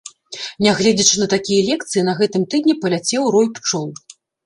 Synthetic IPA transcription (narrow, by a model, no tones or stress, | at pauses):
nʲaɣlʲɛd͡zʲɐt͡ʂɨnɐt̪akʲijɐlʲɛk̚t̪sɨjinɐɣɛt̪ɨmt̪ɨd̪ʲnʲipɐlʲat͡sʲɛwɾɔjpt͡ʂɔw̪